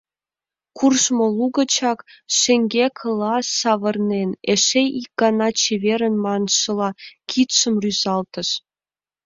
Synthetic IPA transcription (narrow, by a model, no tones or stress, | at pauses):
kurʃmŏlˠuɡɤ̆t͡ɕɑkʃĕŋʲɡʲekʰɤ̆lˠɑsɑβɤ̆rneneʃejik̚ɡ̥ɑnɑt͡ɕeβʲeɾə̆nmɑnʃɤ̆lˠɑkʲʰit̪ʃə̆mryzɑlt̪ə̆ʃ